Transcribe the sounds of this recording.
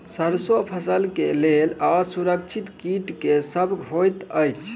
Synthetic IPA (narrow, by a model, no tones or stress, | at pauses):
səɾsopʰəsəlkelelasuɾəkt͡ʃʰit̪kiʈkesəbʱɦojt̪əjt͡ʃʰ